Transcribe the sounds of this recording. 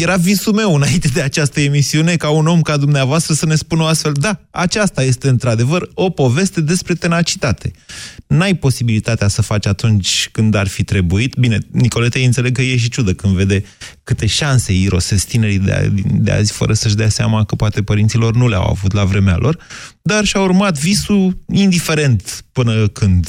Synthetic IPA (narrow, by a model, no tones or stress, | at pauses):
je̞ɾavisume̞wɨnaint̪e̞d̪e̞at͡ʃast̪əe̞misiune̞kauno̞mkad̪umneavoast̪ɾəsəne̞spunəoast̪fe̞ld̪aat͡ʃast̪aje̞st̪e̞ɨnt̪ɾad̪e̞vəro̞po̞ve̞st̪e̞d̪e̞spɾe̞t̪e̞nat͡ʃi̥t̪at̪e̞najpo̞sibilit̪at̪easəfat͡ʃat̪unt͡ʃʲkɨnd̪arfit̪ɾe̞buit̪bine̞niko̞let̪eɨnt̪seleɡ̚kəjeʃ̬it͡ʃud̪əkɨnd̪ve̞d̪e̞ | kɨt̪e̞ʃanseiɾo̞sest̪ineɾid̪ḛa̰d̪ḭnd̪ḛa̰zfə̰ɾəsəʃd̪easea̰makəpoat̪e̞pəɾint̪silo̞rnulea̰wa̰vut̪lavɾe̞mea̰lʔo̞rd̪arʃaurmat̪visuind̪ife̞ɾe̞nt̪pɨnəkɨnd̪